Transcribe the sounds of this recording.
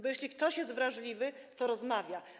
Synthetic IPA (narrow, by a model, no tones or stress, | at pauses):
bɔjeɕʲlʲik̚t̪ɔɕjɛst̪vɾaʐlʲivɘ | t̪ɔɾɔzmavʲja